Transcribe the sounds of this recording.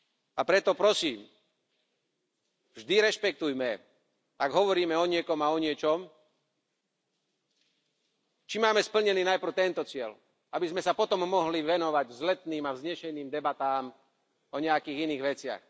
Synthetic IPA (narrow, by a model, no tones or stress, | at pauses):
apɾɛt̪ɔpɾɔsiːm | vʒd̪iɾɛʃpɛk̚t̪ujmɛ | aɡɦɔʋɔɾiːmɛɔɲɪɛkɔmaɔɲɪɛt͡ʃɔm | t͡ʃimaːmɛspl̩ɲɛniːnajpr̩ʊt̪ɛnt̪ɔt͡sɪɛl | abizmɛsapɔt̪ɔmːɔɦliʋɛnɔʋaɟvzlɛt̪niːmavzɲɛʃɛniːmd̪ɛbat̪aːm | ɔɲɛakiːɣiniːɣʋɛt͡sɪa̰x